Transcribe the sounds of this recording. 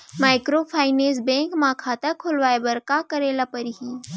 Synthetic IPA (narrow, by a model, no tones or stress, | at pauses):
maːɪkɾoːpʰaːɪneːsbɛ̃ːŋkmãːkʰaːt̪ɐkʰolʋaːebɐɾkakɐɾeːlapɐɾɦiː